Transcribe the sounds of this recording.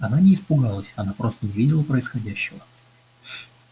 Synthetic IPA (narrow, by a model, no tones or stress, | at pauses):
ɐnanʲɪɪːspʊɡalˠəsʲɐnapɾo̞st̪ənʲɪvʲidʲɪlˠəpɾəɪsxɐdʲæɕːɪvə